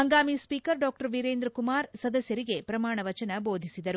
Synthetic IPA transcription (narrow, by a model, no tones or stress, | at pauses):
ɦɐŋɡaːmispiːkɐɾɖaːk̚ʈɐɾʋiɾeːnd̪ɾɐkumaːɾsɐd̪ɐsjɐɾiɡe̞pɾɐmaːɳɐʋɐt͡ʃɐnɐbo̞ːd̪ʱisid̪ɐɾu